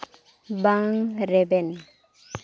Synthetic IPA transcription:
baŋɾɛbɛni

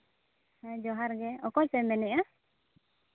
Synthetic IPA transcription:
had͡ʒɔɦaɾɡɛɔkɔt͡ʃɛmɛnɛʔa

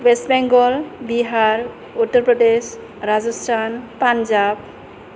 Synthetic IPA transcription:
wesʈbɛŋɡɔlbiɦaɾ | uʈːɔɾpɾɔdes | ɾad͡ʒɔsʈʰanpand͡ʒab̚

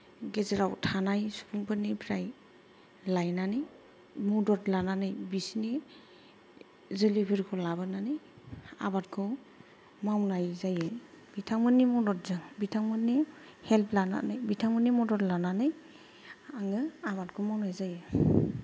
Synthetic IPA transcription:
ɡezeɾawtʰanajsupʰuŋpʰɯnipʰɾaj | lajnanɯj | mɔdɔtlananɯjbisni | zɯlibʰiɾkʰɔlabɯnanɯj | a̰bat̚kʰɯ | mawnajzajɯ | bitʰaŋmɯnːimɔdɔt̚zɯŋbitʰaŋmɯnːi | hɛlpʰlana̰nɯjbitʰaŋmɯnimɔdɔtlananɯj | aŋɯaβatkʰɔmawnajzajɯ

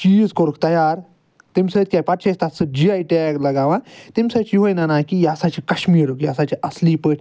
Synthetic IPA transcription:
t͡ʃiːzkoɾuk̚t̪ɐjaɾ | t̪emʲsɐt̪̚kʲajpɐʈ̚t͡ʃʰast̪asɨd͡ʒiajʈiaklɐɡaʋãt̪emʲsɐt͡ʃiɦojnanakijasat͡ʃikɐɕmiːɾukjasat͡ʃiʔɐsliːpəʈʰʲ

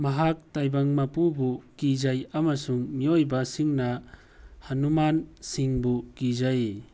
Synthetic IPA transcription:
maɦak̚tajbaŋmapubukizajamasuŋmiojbasiŋna | hanumansiŋbukizaje

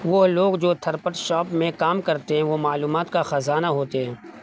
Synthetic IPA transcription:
ʋoɦloːɡd͡ʒoːt̪ʰɐɾpəʈʃɔːpmẽkaːmkɐɾt̪eɦɛ̃ʋomaːluːmaːt̪kaxɐzaːnaɦoːt̪eɦɛ̃ː

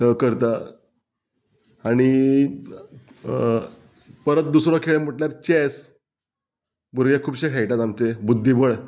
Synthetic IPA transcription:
kəɾt̪a | aɽ̃i | pəɾət̪̚d̪usɾɔkʰeɭem̤əʈljaɾt͡ɕɛs | buɾɡjekʰuːbɕekʰajʈat̪amt͡sebud̪ʱːibəɭ

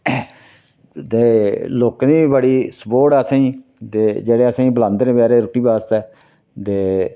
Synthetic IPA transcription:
t̪eːloːkniːbəɽiːsboːɽɛəsãːĩːt̪eːd͡ʒeːɽeːəsãːĩːbəlãːnd̪ɾẽːbaːɾeːɾʊʈiːbaːst̪ɛː | t̪eː

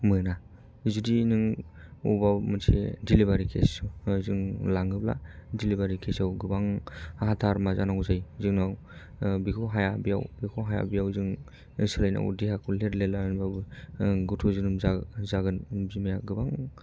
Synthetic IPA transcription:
mɯna | zudinɯŋubamɯsʰḭdilibaɾikʰḛsuzɯŋlaŋɯbla̰dilibaɾikʰesawɡɯbaŋɦatʰaɾmazanazajzɯŋnaw | bikʰɔɦajabija̰wbikʰɔɦaja̰bijawzɯŋ | sɯlajna̰ṵdihakʰuleɾlelannbabɯɡutʰuzɯnɯmzazaɡɯnzimajaɡɯbaŋ

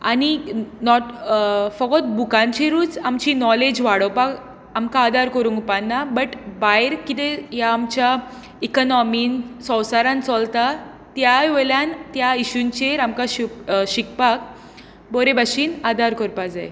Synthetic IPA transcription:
aninɔʈfɔɡɔt̪̚bukãɲt͡ɕiɾuːt͡samt͡ɕinɔled͡ʑʋaɽəpak | amkaːd̪aɾkəɾuːŋɡupanːabəʈbajɾkit̪ejaːmt͡ɕja | ikɔnɔmiːnsɔ̃wsaɾãnt͡sɔlt̪a | t̪jajʋeljãnt̪jaiɕunt͡ɕeɾamkaɕiɕikpak | bɔɾebaɕiːnad̪aɾkɔɾpad͡zaj

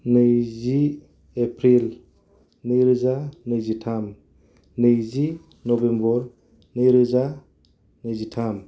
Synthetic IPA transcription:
nɯjzi | epʰɾil | nɯjɾɯzanɯjzitʰam | nɯjzi | nɔbembɔɾ | nɯjɾɯza | nɯjzitʰam

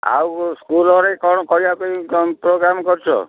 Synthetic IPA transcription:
a̰wskulɔɾekɔɽ̃ɔkɔibakɔipɾoɡɾamkɔɾt͡ʃʰɔ̰

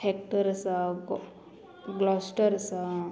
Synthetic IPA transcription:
hek̚ʈəɾsa | ɡlɔsʈəɾsa

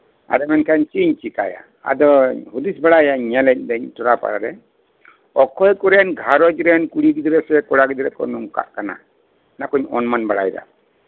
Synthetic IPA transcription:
a̰dɔmɛnkaɲt͡ʃiɲt͡ʃikaja̰ | a̰d̪ɔhud̪isbaɽajaɲɲɛlɛc̚d̪ɛɲtɔɾapa̰ɾaɾɛ | ɔkʰɔjkɔɾɛnɡʱaɾɔd͡ʒɾɛnkuɽiɡid̪ɾɛsɛkɔɽaɡid̪ɾɛkɔ̰nɔŋka̰ʔkana̰ | nakɔɲɔnmanbaɽa̰jd̪a̰

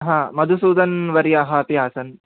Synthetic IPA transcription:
ɦãːmɐd̪ʱusuːd̪ɐnʋɐɾjaːɦɐːt̪iaːsɐn

